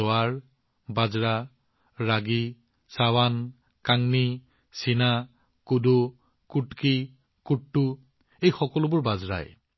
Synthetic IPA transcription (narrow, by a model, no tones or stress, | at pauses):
oaɹ | bazɹa | ɹaɡi | sawan | kaŋni | sina | kudo | kuʈki | kuʈtːu | ejxɔkɔlʊbʊɹbazɹa̰j